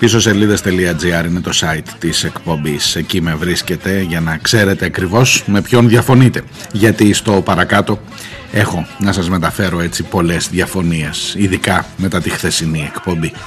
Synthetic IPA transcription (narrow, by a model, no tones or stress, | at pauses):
t̪iso̞siɐliðɐst̪e̞liɐd͡ziɐɾine̞t̪o̞sɐit̪ːise̞kpo̞mbise̞cime̞vɾisce̞t̪e̞ʝɐnɐkse̞ɾe̞t̪e̞ɐkɾivo̞sme̞pço̞nðʝɐfo̞nit̪e̞ | ʝɐt̪ist̪o̞pɐɾɐkɐt̪o̞ | e̞xo̞nɐsɐzme̞t̪ɐfe̞ɾo̞e̞t͡sipo̞le̞zðjɐfo̞nie̞siðikɐme̞t̪ɐt̪ixθe̞sinie̞kpo̞mbi